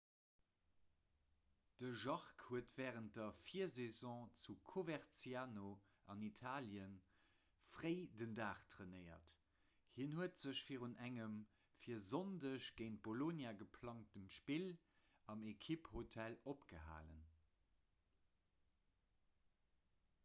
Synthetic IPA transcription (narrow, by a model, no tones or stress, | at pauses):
d̥əʒɑʁkhuətv̥ɛːʁənt̚dɐfiɐzezɔ̃ːt͡sukʰovɛʁt͡sjaːno | ʔɑnitʰaːljən | fʁəɪdəndaːχtʰʁenəɪɐ̰t | hinhuətz̥əɕfiːʁunæŋəm | fiːɐzondəʃɡ̥eɪnt̚b̥olonjaɡəpʰlɑŋtəmʃpil | ɑmekʰiphotʰælopɡ̥əɦa̰ːlə̰n